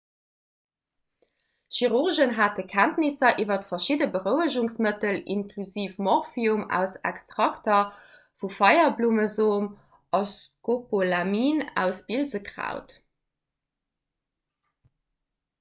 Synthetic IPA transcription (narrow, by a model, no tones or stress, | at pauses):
ʃiʁuʁʒənɦaːt̚əkʰæntnisɐʔiːvɐtfɐʃidəbəʁəʊəʒuŋsmətəlḭnkʰluziːfmɔʁfiumæ̰ʊsæ̰kstʁɑktɐ | fufɑɪɐbluːməzoːm | ɑskopolamiːnæ̰ʊsbilzəkʁa̰ʊt